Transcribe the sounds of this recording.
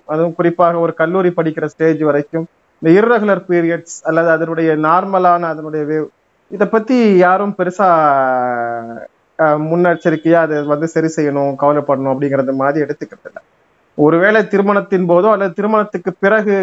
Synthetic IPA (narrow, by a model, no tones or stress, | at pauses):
ɐðɯ̃mkʊrɪpːaːɣɐɔɾɯkɐlːuːɾipɐɽɪkːɪrɐsʈeːd͡ʒʋɐɾɐɪkːɯm | ɪnd̪ɐɪɾɯɾɐɣɯlɐɾpiːɾɪjɐʈsɐlːɐðɯɐðɐnɯɽɐjɐnaːɾmɐlaːnɐːðɐnɯɽɐjɐʋeː | ɪðɐpːɐt̪ːijaːɾɯmpɛɾɯsaː | mʊnːaɾʈt͡ʃːɐɾɯkːɐjaːɐðɛʋɐnd̪ɯsɐɾisɛjːɐɳʊ̃kɐʋɐlɐpːɐɽɐɳʊ̃ɐpːɐɽɪŋɡɪɾɐnd̪ɐmaːðɾiɛɽɯt̪ːɯkːɪɐɐlːɐ̰ | ɔɾɯʋeːɭɐt̪ɪɾɯmɐɳɐt̪ːɪnpoːðʊ̃ɐlːɐðɯt̪ɪɾɯmɐɳɐt̪ːɯkːɯpɪrɐɣɯ